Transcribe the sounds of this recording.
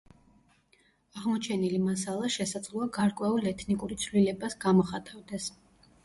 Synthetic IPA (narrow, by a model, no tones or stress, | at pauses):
aʁmɔt͡ʃʰɛnilimasalˠaʃɛsad̪zlˠɔaɡaɾkʼwɛulɛt̪ʰnikʼuɾit̪sʰvlilɛbasɡamɔχat̪ʼavd̪ɛs